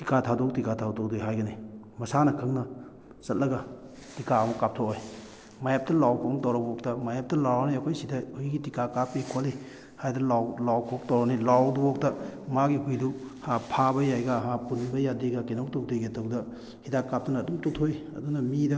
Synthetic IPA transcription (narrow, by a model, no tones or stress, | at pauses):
tikʰatʰadok̚tikatʰawtok̚dojɦajɡɐni | mɐsanɐkʰɯŋnɐ | sɐt̚lɐɡɐ | tikaɐmɐkap̚tʰooj | majap̚tɐlawkʰɔmɔtawɾɐbok̚tɐmajap̚tɐlawɾawniɐkʰojsidaujɡitikʰakapːikʰoli | hajdɐlawlawkʰok̚tawɾɐnilawdubok̚tɐmaɡiɦujduhapʰabɐjajɡaɦapunbɐjadeɡɐkenowtok̚deɡetowdɐ | hidakːap̚tɐnɐːdumtotʰojɐ̰dunɐmidɐ